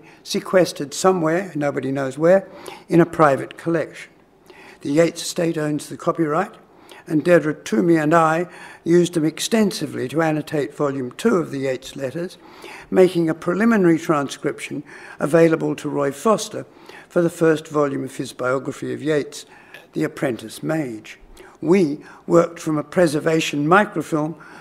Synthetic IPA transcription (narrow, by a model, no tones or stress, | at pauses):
sɨkʰw̥ɛstɨd̥sʌ̃mwɛɹnoʊbɨɾinoʊzwə˞ɨ̃ɾ̃ɨpʰɹ̥aɪvɨt̚kʰəlɛkʃn̩ | ðɨjeɪtsteɪɾõʊ̃nzðɨkʰɑpiɹaɪɾ | ɨ̃ndɛdɹɨtʰʉmiɨ̃naɪjʉzɨ̃mɨkstɛ̃nsɨvliɾɨænɨtʰeɪtv̥ɑlˠjʉ̃mtʰʉʌvðɨjeɪtslɛɾə˞z̥ | meɪkɪ̃ŋɨpʰɹ̥ɨlɪ̃mɨnɛɹitʰɹ̥æ̃nskɹɪpʃɨ̃nʔəveɪlˠəbəlˠtʰəɹɔɪfɑstə˞ | fə˞ðɨfɜ˞stvɑlˠjʉ̃mʌv̥ɨzbaɪɑɡɹɨfiʌ̰vjeɪts | ðiɨpʰɹ̥ɛ̃ntɨsmeɪ̥d͡ʒwiwɜ˞k̚tfɹʌ̃məpʰɹ̥ɛzə˞veɪʃɨ̃nmaɪkɹəʊfɪlˠm